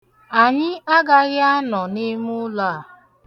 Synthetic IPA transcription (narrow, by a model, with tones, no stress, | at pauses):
a˨ɲɪ˦a˦ɡa˦ɣɪ˦a˦nɔ˨nɪ˦mʊ˦la˦˨